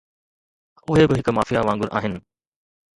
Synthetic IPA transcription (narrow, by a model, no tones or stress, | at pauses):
ʊɦebɪɦɪkmaːfijaʋãːŋɡʊɾʔa̰ːɦɪnɪ̆